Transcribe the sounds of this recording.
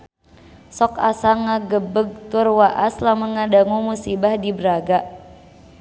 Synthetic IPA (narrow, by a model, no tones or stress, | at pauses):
sɔkasaŋaɡəbəɡ̚t̪ʊrwaʔaslamaŋadaŋumusibahdibəɾaɡa